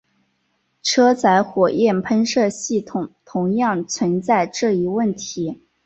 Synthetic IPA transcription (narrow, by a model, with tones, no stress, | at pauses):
ʈ͡ʂʰɤ˥t͡sʰa˧˥ɪxwɔ˨˩jɛ˥˩npʰə˥nʂɤ˥˧ɕi˥˩t̪ʰʊ˨˩ŋt̪ʰʊ˧˥ŋjɑ˥˩ŋt͡sʰwə˧˥nt͡sa˥˧ɪʈ͡ʂɤ˥˩i˧˥wə˥˩nt̪ʰi˧˥